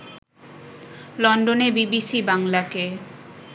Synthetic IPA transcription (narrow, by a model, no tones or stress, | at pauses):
lɔnɖonebibisibaŋlake